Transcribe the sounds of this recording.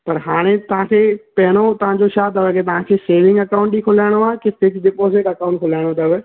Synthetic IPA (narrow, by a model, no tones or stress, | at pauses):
pɐɾɦaːɽ̃et̪ɐʋ̤ãkʰepɛɦɪɽ̃ot̪ɐʋãd͡ʑoʃaːd̪əʋeket̪ɐʋ̤ãkʰeseːʋɪ̃ŋɡɐkaʊ̃ɳʈikʰʊlaːɪɽ̃oaːkɪsɪd͡ʑd̪ɪpoːsẽkɐkaːʊ̃ɳʈ̚kʰolaːɪɽ̃ot̪ɐʋe